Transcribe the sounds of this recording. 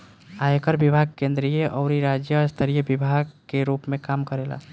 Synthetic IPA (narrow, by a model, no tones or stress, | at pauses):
aekəɾbibʱaːɡ̚kẽnd̪ɾijeʔɔːɾiɾad͡ʒjəst̪ʰəɾijəbibʱaɡ̚keɾuːpmẽkaːmkəɾeːla̰ː